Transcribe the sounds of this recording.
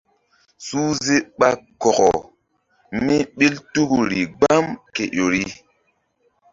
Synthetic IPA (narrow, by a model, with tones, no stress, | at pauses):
suː˦ze˦ɓa˦kɔ˨kɔ˨ | mi˦ɓi˦ltu˦ku˨ɾi˨ɡ͡ba˦mke˨ʔo˨ɾi˦